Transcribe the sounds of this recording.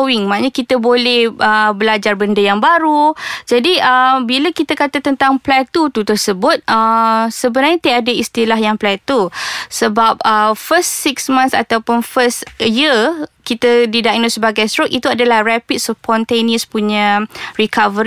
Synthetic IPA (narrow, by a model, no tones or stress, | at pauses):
wiŋmaaʔɲakit̪əbolɛhʔəbəlad͡ʒarbəndəjaŋbaɾud͡ʒadiəbiləkit̪akat̪at̪ənt̪aŋplɛt̪ut̪ut̪ərsəbʊt̪̚əsəbənarɲat̪aadəist̪ilaɦjaŋplɛt̪usəbap̚əfəsːiksmãnsa̰t̪awpʊnfəsjiəkit̪ədidaʔnosəbaɡajst̪ɾokit̪uadalahrɛpit̪̚spɔnt̪eniəspuɲãrikavəɾ